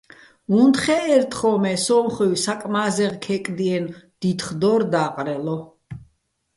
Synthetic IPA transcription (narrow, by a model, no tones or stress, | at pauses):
unt̪χɛɛɾt̪ʰχɔmɛsɔmχiwsakʼmazɛʁkʰɛkʼd̪iɛnd̪̥it̪χd̪ɔɾd̪aːqʼɾɛlɔ